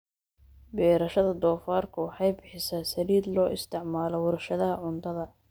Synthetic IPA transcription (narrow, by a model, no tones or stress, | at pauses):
bɛːɾɐʃɐðɐd̪ɔːfaːrkʰʊwɑħɑjbɪħɪsaːsɐliːd̪lɔːʔɪst̪ʰɪʕmaːlɔwʊɾɐʃɐðɐɦɐʕʊnt̪ʰɐðɐ